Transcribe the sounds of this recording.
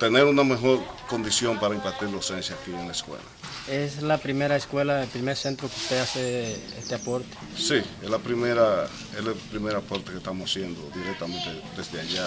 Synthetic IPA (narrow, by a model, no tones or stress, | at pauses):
t̪eneɾunamexo̞ɾko̞nd̪isjompaɾaimpat̪iɾlasensjakienlaeskwḛla̰eslapɾimeɾaeskwelaelpɾimeɾsent̪ɾokeu̥st̪easeḛst̪eapoɾt̪e̥sieslapɾimeɾa | eslepɾimeɾapoɾt̪ekest̪amossjend̪od̪iɾek̚t̪amẽnt̪ed̪ezd̪eaʝa